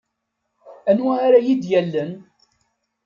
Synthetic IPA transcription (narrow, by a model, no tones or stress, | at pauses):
ænwæaɾajid̪jælːən